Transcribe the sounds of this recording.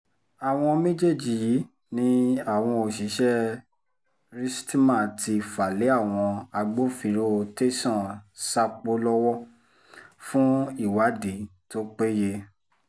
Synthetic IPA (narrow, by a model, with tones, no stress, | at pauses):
a˨w̃ɔ̃˧mẽ˦d͡ʒe˦˨d͡ʒi˨ji˨˦ | nĩ˦a˦˨w̃ɔ̃˧o˨ʃi˨˦ʃɛ˦ | ɾi˦sti˦mã˦˨ti˧fa˨le˨˦a˦˨w̃ɔ̃˧a˧ɡ͡bo˦fĩ˨˧˨ɾo˦˨te˦sɔ̃˦˨sa˧k͡po˧˦lɔ˦wɔ˦ | fũ˦i˦˨wa˨˦di˨˦to˦k͡pe˦je˧